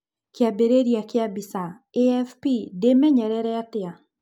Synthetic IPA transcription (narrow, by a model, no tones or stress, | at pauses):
kɪabeɾeɾjakɪabisa | eɛfpidemɛɲɛɾɛɾɛatɪa